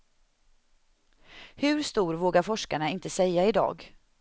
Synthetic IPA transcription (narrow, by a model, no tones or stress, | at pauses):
hɵ̟ɾst̪uːɾvoːɡaɾfɔʂkaɳaɪnt̪əsɛjːaɪd̪ɑ̰ːɡ